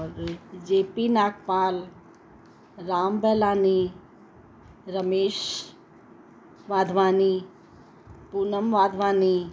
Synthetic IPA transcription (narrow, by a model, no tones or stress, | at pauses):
ɔːɾd͡ʒeːpinaːkpaːl | ɾaːmbɛːlaːni | ɾəmeːʃ | ʋaːd̪ʱʋaːni | punəmʋaːd̪ʱʋaːni